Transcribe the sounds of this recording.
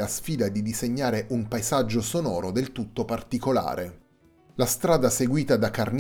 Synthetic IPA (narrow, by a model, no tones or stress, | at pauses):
asfiːd̪ad̪id̪izeɲːaːɾeʔumpaezad͡ʒːosonɔːɾod̪elt̪ut̪ːopart̪ikola̰ːɾʔe | last̪ɾaːd̪aseɡwiːt̪ad̪akːarn